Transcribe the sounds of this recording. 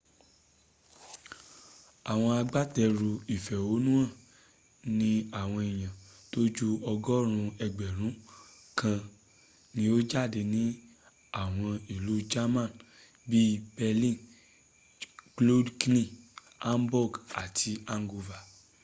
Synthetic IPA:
a˨w̃ɔ̃˧a˧ɡ͡ba˦tɛ˧ɾu˧i˨fɛ˨o˨˦nũ˦ã˦˨ | nĩ˦a˦˨w̃ɔ̃˧i˨j̃ã˨to˦d͡ʒu˦ɔ˧ɡɔ˦ɾ̃ũ˧ɛ˧ɡ͡bɛ˨ɾ̃ũ˨˦ | kã˧ | nĩ˧˦o˦d͡ʒa˦˨de˧nĩ˨˦ | a˦˨w̃ɔ̃˧i˨lu˨˦d͡ʒa˦mã˦˨ | bi˦bɛ˧lĩ˦ | klo˦dknĩ˦˨ | a˦mbɔ˦˨ɡa˨ti˧a˦ŋ˨ɡu˧va˨

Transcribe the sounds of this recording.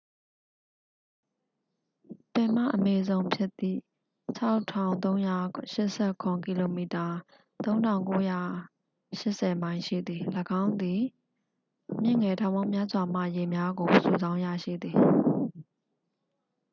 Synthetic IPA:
pɛ̃˨m̥ä̰˦˨ʔəmɛ˦zõ˦ʊ̃pʰjɪ˦ʔt̪ːḭ˦˨ | t͡ɕʰa˦ʊtʰã˨ʊ̃nt̪õ˦ʊ̃ja̰˦˨ʃɪ˦ʔsɛ˦˨kʰʊ̃˨ki˨lo˨mi˨ta˨ | t̪õ˦ʊ̃ntʰã˨ʊ̃ŋko˦ja˦˨ | ʃɪ˦ʔsɛ˨mã˦ɪ̃nʃḭ˦˨d̪ði˨ləɡã˦ʊ̃nd̪i˨ | mjɪ̰̃˦˨ŋɛ˨tʰã˨ʊ̃mõ˦ʊ̃mja˦zwa˨m̥a̰˦˨je˨mja˦ɡo˨sṵ˨zã˦ʊ̃ja̰˦˨ʃḭ˦˨d̪ði˨

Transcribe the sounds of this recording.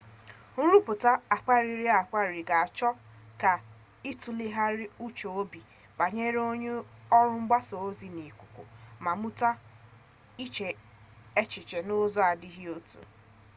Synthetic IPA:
n̩˦ɾu˦pʊ˨ta˦a˨k͡pa˦ɾi˨ɾi˦a˨k͡pa˦ɾi˨ɡa˨a˨t͡ʃɔ˦ | ka˨ | i˦tu˨lɪ˦ɦa˦ɾɪ˦u˦t͡ʃo˨o˦bi˨ | ba˨ɲe˦ɾe˦o˦ɲe˦ɔ˦ɾʊ˦ŋ͡m̩˦ɡ͡ba˦so˨o˦zi˨ni˨kʷu˨kʷu˨ma˨mu˦ta˦ | i˦t͡ʃe˨ | e˦t͡ʃɪ˨t͡ʃe˨nʊ˦zɔ˦a˨dɪ˦ɦi˦o˦tṵ˨

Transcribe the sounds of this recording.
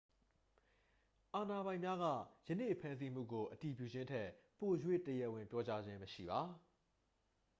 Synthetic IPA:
ʔa˨na˨bã˨ɪ̃mja˦ɣä̰˦˨jə˦nḛ˦˨pʰã˦ns̬i˦m̥ṵ˦˨ɡo˨ʔəti˨pjṵ˦˨d͡ʑɪ̃˦ntʰɛ˦˨ʔpo˨jwḛ˦˨təjɛ˦ʔwɪ̃˨mpjɔ˦t͡ɕa˦d͡ʑɪ̃˦məʃḭ˦˨ba˨

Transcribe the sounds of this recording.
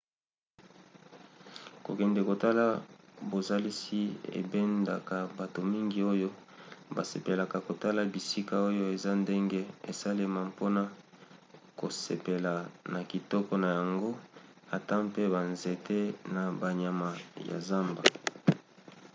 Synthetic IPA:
ko̰˨kɛ˨ndɛ˨ko˨ta˦la˦bo˨za˦li˦si˦ḛ˨bɛ˦nda̰˨ka˨ba˨to˨mi˦ŋɡi˦o˦jo˦ba˨se˨pe˨la˨ka˨ko˨ta˦la˨bi˨si˦ka˦o˦jo˦e˨za˦nde˦ŋɡe˦e˨sa˦le˦ma˨po˦na˨ | ko˨sḛ˨pe˨la˨na˨ki˨tɔ˦kɔ˦na˨ja˨ŋɡo˦ | a˨ta˦mpe˦ba˨nze˨tʰe˦na˨ba˨ɲa˨ma˨ja̰˨za˦mba˨

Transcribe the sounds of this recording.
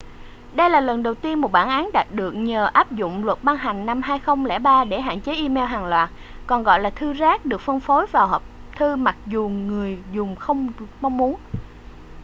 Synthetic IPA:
ɗə˧jlaː˨˩lə˨˩nɗə˨˩wt̪i˧ənmo˨˩t̚ɓaː˧˩nʔaː˨˦nɗa˨˩t̚ɗɨ˨˩ək̚ɲəː˨˩ʔaː˦˥p̚zʊ̰˧˨ŋ͡mlwə˨˩t̚ɓa˧ŋɦa˨˩ŋ̟na˧mɦaː˧jxə˧wŋ͡mlɛ̰˧˩ɓaː˧ɗe˧˩ɦa̰ː˧˨nt͡ɕe˨˦ʔi˧mɛ˧wɦaː˨˩ŋlwaː˨˩t̚ | kɔ˨˩nɣɔ̰˧˨jlaː˨˩t̪ʰɨ˧zaː˦˥k̚ɗɨ˨˩ək̚fə˧nfo˨˦jvaː˨˩whəː˨˩p̚t̪ʰɨ˧ma˨˩t̚zu˨˩ŋɨ˨˩əjzʊ˨˩ŋ͡mxə˧wŋ͡mma˧wŋ͡mmu˨˦ən

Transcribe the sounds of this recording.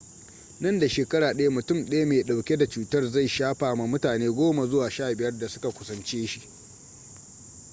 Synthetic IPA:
nɐ˦˨nda˨ʃeː˨kɐ˦ɽaː˨ɗɐ˦ja˦mʊ˨tʊ˦˨mɗɐ˦ja˦meː˨ɗa˨wkʲe˦da˨t͡ʃuː˨tɐ˦rza˦˨jʃaː˦ɸaː˨ma˦mʊ˦taː˨neː˦ɡʷoː˦ma˨zʊ˦waː˨ʃaː˦˨bɪ˨jɐ˦rda˨sʊ˦ka˨kʷʊ˦sɐ˦nt͡ʃeː˦ʃi˦˨ʔ

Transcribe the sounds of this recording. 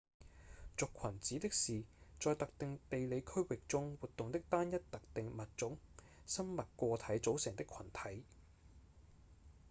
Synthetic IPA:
t͡sʊ˨kʷʰɐ˨˩nt͡siː˨˥t̪ɪ˥k̚siː˨˩t͡sɔː˨˧jt̪ɐ˨k̚t̪ɪ˨ŋt̪e˨jle˨˧jkʰɵ˥ɥwɪ˨k̚t͡sʊ˥ŋwuː˨t̚t̪ːʊ˨ŋt̪ɪ˥k̚t̪aː˥njɐ˥t̚t̪ɐ˨k̚t̪ɪ˨ŋmɐ˨t̚t͡ʃʊ˨˥ŋ | sɐ˥mmɐ˨t̚kʷɔː˧t̪ʰɐ˨˥jt͡so˨˥wsɪ˨˩ŋt̪ɪ˥kʰɐ˨˩nt̪ʰɐ˨˥j

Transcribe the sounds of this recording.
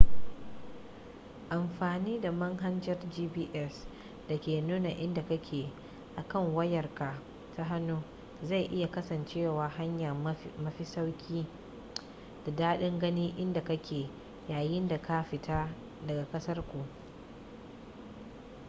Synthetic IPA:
ʔa˨mɸaː˨niː˦da˨mɐ˦ŋɦa˦nd͡ʒɐ˦rd͡ʒiː˦biː˦ʔɛ˦s | d̥ɐ˨kʲeː˨nuː˦na˨ʔɪ˦nda˨kɐ˦kʲʰeː˨ | ʔa˨kɐ˦˨ŋwɐ˦jɐ˨rka˨ | ta˦ɦa˦nuː˦ | za˦˨jʔɪ˦ja˨kɐ˦sɐ˨nt͡ʃeː˦˨waː˨ɦa˦ɲjɐ˨mɐ˦ɸi˦sa˦wkʲʰiː˦ | d̥a˨daː˦ɗɪ˦ŋɡɐ˦niː˦ʔɪ˦nda˨kɐ˦kʲeː˨ | jaː˨jɪ˦nda˨ka˦ɸɪ˨taː˦ | dɐ˨ɡa˨kʼɐ˦sɐ˦rkʷu˨ʔ

